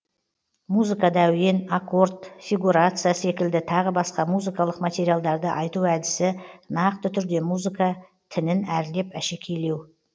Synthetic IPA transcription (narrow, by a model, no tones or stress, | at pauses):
muzɨkad̪ɑwje̞nako̞rt̪fʲiɡuɾat̪sɨjase̞kʲɪld̪ɪt̪ʰɑʁəbɑsqɑmuzɨkɑlˠəqmat̪ʲe̞ɾijalˠd̪ɑɾd̪əʔɑjt̪uæd̪ɪsɪnɑqt̪ət̪ʰʏɾd̪e̞muzɨkɑ | t̪ʰɪnɪnæɾle̞pæʃe̞kʲʰe̞le̞w